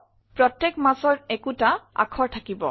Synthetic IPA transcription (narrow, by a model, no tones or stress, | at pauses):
pɹɔtːekmasɔɹɛkutaa̰kʰɔɹtʰakibɔ̰